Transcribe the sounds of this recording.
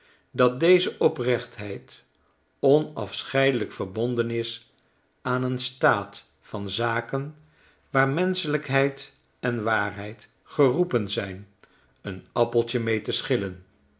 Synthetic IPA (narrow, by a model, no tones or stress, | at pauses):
dɑt̚dejzəʔɔprɛχtɦɛjt | ɔnɑ̰fsχɛjdələkfəɹbɔndənɪs | aːnənstaːt | fɑnzaːkən | ʋaːɹmɛnsələkɦɛjt | ɛnʋaːrɦɛjt | χərupənzɛjn | ənɑpəlˠtəmejtəsχɪlən